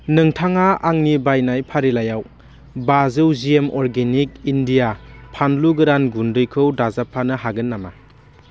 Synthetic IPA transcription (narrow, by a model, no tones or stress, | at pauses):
nɯŋtʰaŋaaŋnibajnajpʰaɾilajaw | bazɯwziemɔɾɡenik̚indijapʰanluɡɯɾanɡundɯjkʰɯwdazapʰanɐɦaɡɯnːama̰